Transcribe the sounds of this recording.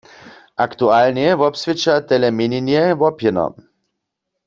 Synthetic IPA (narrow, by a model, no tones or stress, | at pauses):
ʔakt̪ualnjɛvɔpsvɪt͡ʃat̪ɛlɛmɪninjɛvɔpjɛnɔ̰